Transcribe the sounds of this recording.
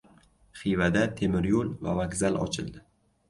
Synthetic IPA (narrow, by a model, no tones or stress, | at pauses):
χivad̪at̪ʰemɪɾjolva̰vaɡzalɒ̰t͡ʃʰɪld̪ɪ